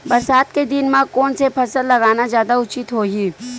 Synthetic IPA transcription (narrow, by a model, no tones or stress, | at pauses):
bɐɾsaːt̪̚ked̪ɪnmãkoːnsepʰɐɾsəlːɐɡaːnazjaːd̪aʊt͡ʃɪt̪ɦoːɦiː